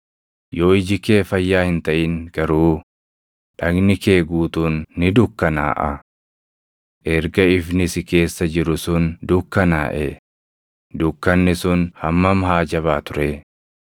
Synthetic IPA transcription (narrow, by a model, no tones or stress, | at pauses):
joːɪd͡ʒɪke̞ːfɐjːaːhɪnt̪ɐʔɪŋɡ̥ɐɾuː | ᶑɐɡnɪke̞ːɡuːt̪uːnːɪd̪ʊkːɐna̰ːʔɐ̰ | ʔɛɾɡɐɪfnɪsɪke̞ːsːɐd͡ʒɪɾʊsʊnd̪ʊkːɐna̰ːʔɛ | d̪ʊkːɐnːɪsʊnhɐmːɐmhaːd͡ʒɐβaːt̪ʊɾɛ